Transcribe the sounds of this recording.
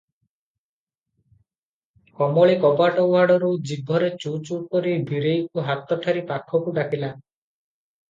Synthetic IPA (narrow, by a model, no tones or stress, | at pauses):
kɔmɔɭekɔpaʈɔwaɽɔɾud͡ʒibʱɔɾet͡ʃut͡ʃukɔɾibʱiɾejkuɦat̪ɔʈʰaɾipakʰɔkuɖakʰila